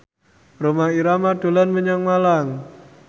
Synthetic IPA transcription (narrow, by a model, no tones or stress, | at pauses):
romaiɾamaɖ̥o̤lanməɲaŋmalaŋ